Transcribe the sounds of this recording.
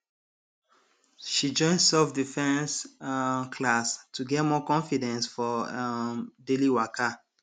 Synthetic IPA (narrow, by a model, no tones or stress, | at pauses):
ʃid͡ʒɔ̃ɪ̃nsɛfdifɛ̃ns | kʰlastʰuɡɛtmɔkɔ̃ɱfidɛ̃nsfɔ | deliwaka